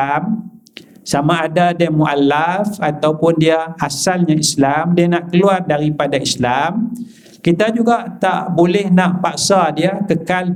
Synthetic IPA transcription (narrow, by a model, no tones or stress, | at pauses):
m | samaːdadiamuʔalafat̪awpʊndiaasalɲaislamdianaʔkəluardaɾipadaislam | kit̪ad͡ʒuɡaʔt̪aʔbolɛhnaʔpaʔsadiakəkal